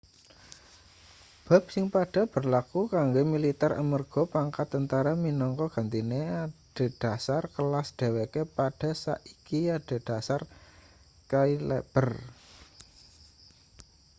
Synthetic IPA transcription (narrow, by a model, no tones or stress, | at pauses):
b̥a̤b̥̚sɪŋpaɖ̥a̤b̥ə̤rlakukaŋɡomilit̪ɛɾa̰mərɡ̥ɔ̤paŋkat̪ːənt̪aɾaminɔŋkɔɡ̥a̤nt̪ineaɖ̥a̤d̥a̤sarkəlasd̪̥e̤wekepaɖ̥a̤sa̰ʔikiaɖ̥a̤d̥a̤sar | kailḛb̥ər